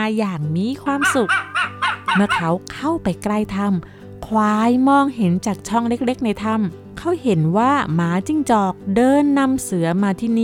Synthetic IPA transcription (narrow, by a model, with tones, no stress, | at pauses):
jaː˨˩ŋmiː˧˥˨kʰwaː˧msu˨˩k̚ | mɯ˥˩ɐkʰa˦˥wkʰa˥˩wpa˨jkla˧jt̪ʰa˧m | kʰwaː˧jmɔː˧ŋhe˩˦nt͡ɕaː˨˩k̚t͡ɕʰɔ˥˩ŋle˦˥k̚le˦˥k̚na˧jt̪ʰa˧m | kʰa˦˥˩whe˩˦nwaː˥˩maː˨˦˥t͡ɕi˧ŋt͡ɕɔː˨˩k̚dɤː˧nːa˧msɯ˩˦ɐmaː˧t̪ʰiː˥˩niː˦˥˩